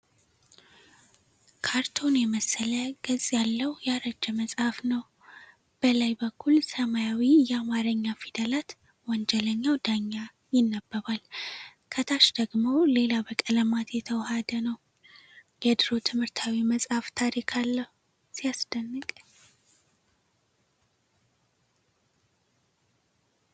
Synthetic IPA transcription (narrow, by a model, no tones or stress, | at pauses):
kʰaɾt̪ʰo̞njɛməsːələɡ̥ɨzʼjalːəwjaɾəd͡ʒːɛməsʼhafnəw | b̥əlajbəkʰːulsəmajawijɛamaɾəɲːafid̪əlat̪ | wɔnd͡ʒɛləɲːawd̪aɲːa | jɪnːəbːəβalkʰət̪ʰaʃd̪əɡmo̞le̞labəkʼələmat̪ʰjɛt̪ʰəwhad̪ənəw | jɛd̪ɨɾo̞t̪ʰɨmhɨɾt̪ʰawiməsʼhaft̪ʰaɾikʰalːəhu | sijasd̪̥ənːɨkʼ